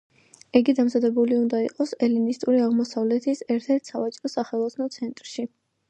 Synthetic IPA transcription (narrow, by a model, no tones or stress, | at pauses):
iɡid̪amzad̪ɛbuliund̪aiqʼɔsɛlinist̪ʼuɾiaʁmɔsavlɛt̪ʰisɛɾt̪ʰɛɾt̪ʰsavat͡ʃʼɾɔsaχɛlˠɔt̪sʰnɔt̪sʰɛnt̪ʼɾʃi